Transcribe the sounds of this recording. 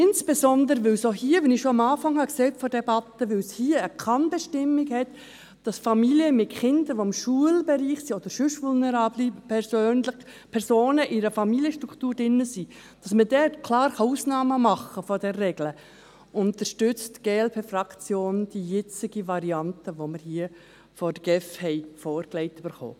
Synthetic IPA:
ɪnsb̥ezɔnd̪əɾəʋɪlsohiːəʋɛnɪʃoɑmɑːfɑŋhɑksɛːtfɔɾd̥ɛbɑt̪ːəʋɪlshiːəəkʰɑnbɛʃtɪmːɪɡhɛt̪ | d̥ɑsfɑmiliəmɪtχɪnd̪əʋoɪmʃuəlbɛɾiːχsiːod̥̪əɾʃʏʃʋʊlnɛɾɑːblipʰɛɾsøːnlɪχ | pʰɛɾsoːnəʔɪɾəfɑmiliəʃtɾuktuːɾd̥ɪnːəsiː | d̥ɑsmədɛtkʰlɑːɾχɑuːsnɑːməmɑχːəfɔd̥ɛrːɛɡlə | ʊnt̪əʃtʏt͡stɡ̥eːɛlpʰeːfrɑkt͡sjoːnd̥ijɛt͡sɪɡiʋɑɾiɑntəʋoməɾhiə | fɔdəɡ̥ɛfhɛɪfɔːɾklɛɪtyb̥əɾχo̰ː

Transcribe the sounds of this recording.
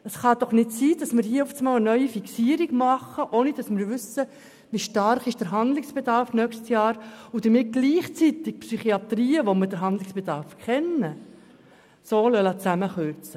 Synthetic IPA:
əsχɑd̥̪ɔχnɪtsiːd̥ɑsmɪɾhiːɔft͡smɑːlənœʏifiksiːəɾiɡmɑχəʔoːnid̥ɑsmɪːɾʋʏsə | ʋiʃtɑrχɪʃd̥əɾɦɑnd̪lɪksb̥ed̪ɑɾfnœkstjɑːɾʊd̥̪əɾmɪt̚ɡ̥liːχt͡sit̪ɪk̚psyχiɑt̪ɾiːəʋomədəɾɦɑnd̪lɪksb̥edɑɾfkχɛnːə | soːlœlɑt͡sæməχøɾt͡sə

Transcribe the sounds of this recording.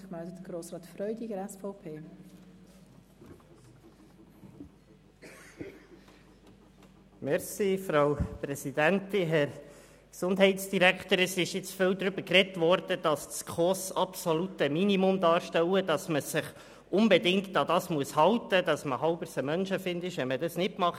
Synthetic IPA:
mɛldətəɡɾoːsɾɑːtfɾœʏdiɡəɾɛsfɔʊpʰeː | mɛɾsiːfɾaʊpɾɛsidæntɪnɦɛɾ | ksʊndɦɛɪt̪sd̥iɾækt̪əɾɛsɪʃjɪt͡sfɪwd̪ɾʏbəɾkrɛtvɔɾd̥əd̥ɑsskʰɔsɑpsolutəminimʊmdɑːɾʃtɛwədɑsməsɪχ | ʔʊnbɛdɪŋktɑd̪ɑsmuəshɑwt̪əd̥̪ɑsməhɑʊbəɾsəmœnʃəfɪndɪʃʋɛmədɑsnɪtmɑχ

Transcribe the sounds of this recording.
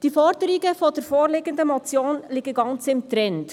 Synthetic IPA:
d̥ifɔɾdəɾɪɡəfɔd̥əɾfoːɾlɪɡəndəmɔt͡sjoːnlɪɡəɡɑnt͡sɪmtɾɛnt

